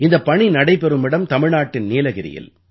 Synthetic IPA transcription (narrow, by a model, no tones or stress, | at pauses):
ɪnd̪ɐpːɐɳinɐɽɐɪpɛɾɯmɪɽɐmt̪ɐmɪɻnaːʈːɪnniːlɐɣɪɾɪ̰jɪ̰l